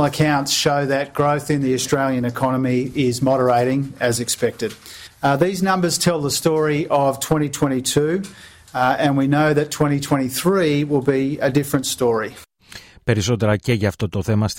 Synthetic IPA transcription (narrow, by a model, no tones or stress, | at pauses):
l̩ˠəkʰãʊ̃ntsʃoʊðɨt̚ɡ̥ɹoʊθɨ̃nðiɨstɹ̥eɪlˠjɨ̃nɨkʰɑñəmiɪzmɑɾə˞eɪɾɪ̃ŋɨzɨkspɛk̚tɨd̥̚ðiznʌ̃mbə˞z̥tʰɛlˠðəstɔɹiʔəv̥tʰw̥ɛ̃ɾ̃itʰw̥ɛ̃ɾ̃itʰʉ | ɨ̃nwinoʊðɨtʰw̥ɛ̃ɾ̃itʰw̥ɛ̃ɾ̃iθɹiwɪlˠbiɨdɪfɹɨ̃ntstɔɹi | peɾisot̪eɾɐceʝɐːft̪ot̪oθemɐs